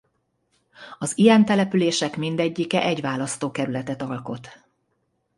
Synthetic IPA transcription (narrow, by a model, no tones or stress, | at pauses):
ɒziɛnt̪ɛlɛpyleːʃɛkmind̪ɛɟːikɛʔɛɟʋaːlɒst̪oːkɛɾylɛt̪ɛt̪ɒlko̞t̪